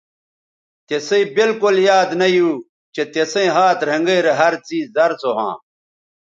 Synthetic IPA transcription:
t̪eseibilkuljaːd̪nɐjuː | t͡ɕet̪esẽɦaːt̪ɾɐŋɡejɾeɦɐɾt͡siːɐɾt͡soɦã̰ː

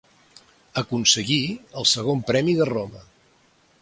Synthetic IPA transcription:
əkunsəɣiəlˠsəɣ̞ompɾɛmiðəromə

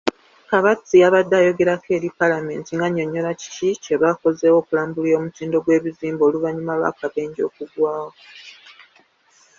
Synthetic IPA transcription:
kaβat͡siaβadːaːjo̞ɡe̞ɾakʰe̞ːɾipalame̞̰ːntiŋɡaɲo̞ɲːo̞laci̥cice̞βako̞ze̞ːwo̞ːkulaːmbuliɾo̞ːmutiːndo̞ɡwe̞ːβiziːmboːluvaɲumalwa̰kaβe̞ːɲɟo̞̰ːkuɡwaːwo

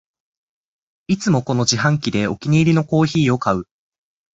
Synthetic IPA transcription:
it͡sɨmo̞ko̞no̞ʑiɦãŋkʲid̪e̞o̞kʲiɲ̟iːɾʲinoko̞ːçiːo̞kaɯ̟

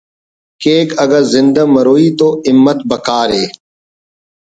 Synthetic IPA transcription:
keːkəɡəɾzɪ̃nd̪aməɾoːiːt̪oːɪmːət̪bəkaːɾɦeː

